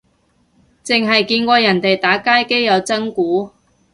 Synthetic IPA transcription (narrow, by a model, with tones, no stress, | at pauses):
t͡sɪ˨ŋɦɐ˨jkiː˧nkʷɔː˧jɐ˨˩nt̪e˨jt̪aː˨˥kaː˥jke˥jjɐ˨˧wt͡sɐ˥ŋkuː˨˥